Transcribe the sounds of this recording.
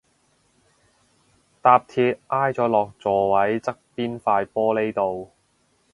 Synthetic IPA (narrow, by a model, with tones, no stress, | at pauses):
t̪aː˧p̚t̪ʰiː˧p̚ʔaː˥jt͡sɔː˨˥lɔː˨˩k̚t͡sɔː˨wɐ˨˥jt͡sɐ˥k̚piː˥nfaː˧jpɔː˥le˨˥jt̪o˨˧w